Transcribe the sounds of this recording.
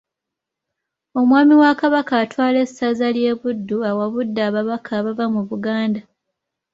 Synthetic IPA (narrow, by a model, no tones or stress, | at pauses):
o̞mwaːmiwakaβakaːtwaːle̞sːazalje̞ːβudːuawaβudːaːβaβakʰaːβavamuβuɡaːnda